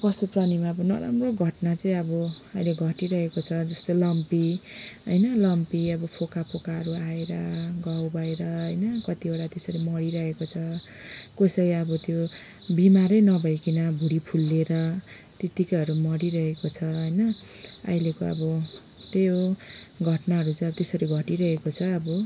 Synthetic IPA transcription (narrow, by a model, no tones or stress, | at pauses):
pʌsupranimabʌnʌ̰ɾa̰mroɡʱʌʈnat͡sʌĩʌbʌʌjleɡʱʌʈiɾʌɦekot͡sʰʌd͡zʌst̪olʌmpiɦʌjnʌlʌmpiʌbʌpʰokapʰokaɦʌɾuaeɾʌɡawbʱʌeɾʌɦʌjnʌkʌt̪ioɽat̪esʌɾimʌɽiɾʌɦekot͡sʰʌ | kosʌjʌbʌt̪jo | bimaɾʌjnʌbʱʌjkinʌbʱuɽipʰulːeɾʌ | t̪et̪ikʌjɦʌɾumʌɽiɾʌɦekot͡sʰʌɦʌjnʌ | ʌ̰jlekoʌ̰bʌ | t̪jjoɡʱʌʈnaɦʌɾut͡sʌj̃ʌbʌt̪esʌɾiɡʱʌʈiɾʌɦekot͡sʰʌːbʌ